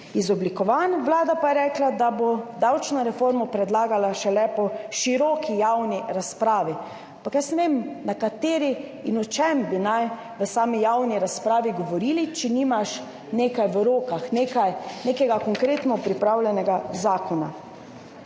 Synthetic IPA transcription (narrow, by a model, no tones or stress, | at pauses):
izɔblikɔʋanʋlaːd̪apajɛɾɛːklad̪abod̪awt͡ʃnɔɾɛfoːɾmɔpɾɛd̪laːɡalaʃɛlɛpɔʃiɾɔːkʰijawniɾaspɾaːʋi | ampakjasnɛʋemnakat̪eːɾi | inɔt͡ʃɛmbinaj | ʋəsaːmijawniɾaspɾaːʋiɡɔʋɔɾiːlit͡ʃɛnimaʃ | neːkajʋəɾoːkaxnekajneːkɛɡakɔŋkɾeːt̪nɔpɾipɾawlʲjɛnɛɡazaːkɔna